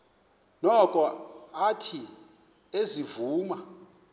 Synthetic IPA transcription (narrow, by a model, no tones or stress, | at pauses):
nɔkʼɔatʰi | ezivuːma